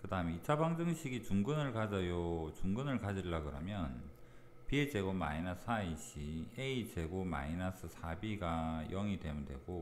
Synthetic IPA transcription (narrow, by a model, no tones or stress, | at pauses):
kɯdaɯmeit͡ɕʰabaŋd͡ʑɯŋɕʰiɡit͡ɕuŋɡɯnɯɭkad͡ʑʌjot͡ɕuŋɡɯnɯɭkad͡ʑiɭːaɡɯɾʌmjʌn | pied͡ʑe̞ɡoma̰inas͈ʰaiɕʰieit͡ɕe̞ɡoma̰inasʰɯsʰabiɡajʌŋide̞mundwe̞̰ɡo